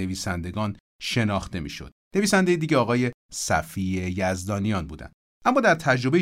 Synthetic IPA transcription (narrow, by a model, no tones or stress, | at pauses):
e̞viːsænd̪e̞ɡɒːn | ʃe̞nɒːxt̪e̞mḭːʃo̞̰d̪̥ne̞viːsænd̪ejed̪iːɟeɒːɣɒːje̞sæ̰fiejæzd̪ɒːnijɒːnbuːd̪æ̰nd̪̥ | ʔæmːɒːd̪æɾt̪ʰæd͡ʒɾo̞be